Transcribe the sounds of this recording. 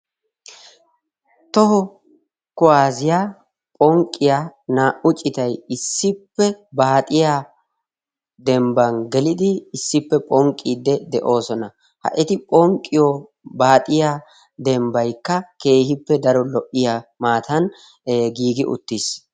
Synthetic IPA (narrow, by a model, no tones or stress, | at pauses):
t̪ɔɦɔ | kʊaːzɪjaː | pʼɔŋkʼːɪjaːnaːʔʊt͡ʃʼːɪt̪ɐjɪsːɪpːɛbaːt̪ʼɪja | d̪ɛmbɐnɡɛlɪd̪ɪːsːɪpːɛpʼɔŋkʼːiːd̪ːɛd̪ɛʔo̞ːsɔnɐ | hɐ̰ʔɛt̪ɪpʼɔŋkʼːɪjɔ | baːt̪ʼɪjaː | d̪ɛmbɐjkːɐke̞ːhɪpːɛd̪ɐɾɔlɔʔɪjamaːt̪ɐn | ɡiːɡɪʔʊ̰t̪ːis